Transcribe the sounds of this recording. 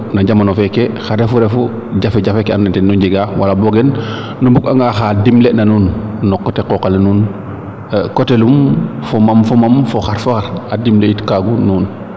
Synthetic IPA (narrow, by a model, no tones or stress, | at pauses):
naɟamanɔfɛkexaɾɛfuɾɛfu | ɟafɛɟafɛkeannɛntɛnuɲɟiɡawalabɔɡɛn | numbukaŋɡaxadimlenanuːnːɔkɔtekɔkalanuːn | kɔtelumfomamfɔmamfɔxaɾfoxaɾadimleitkaɡunuːn